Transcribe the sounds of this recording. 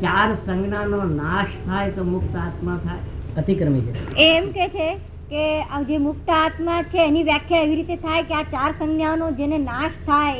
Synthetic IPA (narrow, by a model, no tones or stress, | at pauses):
t͡ʃaɾsə̃ŋɡnanonaʃt̪ʰajt̪omʊk̚t̪əat̪mat̪ʰajət̪ikɾəmit͡ʃʰeeːmket͡ʃʰe | kead͡ʒemʊkt̪əat̪mat͡ʃʰeːniʋjakʰjaeʋiɾit̪et̪ʰajkeat͡ʃaɾsəŋɡnjanod͡ʒenenaʃt̪ʰaj